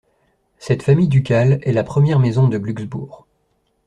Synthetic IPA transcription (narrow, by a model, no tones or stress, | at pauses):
sɛt̪famijd̪ykʲalɛlapχəmjɛʁmezɔ̃d̪əblyɡzbṵːʁ